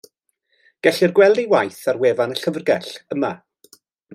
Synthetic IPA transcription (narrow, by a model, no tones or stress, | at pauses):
ɡ̥ɛɬɪrɡwɛlˠdiwajθarweːvanəɬəvrɡɛɬəma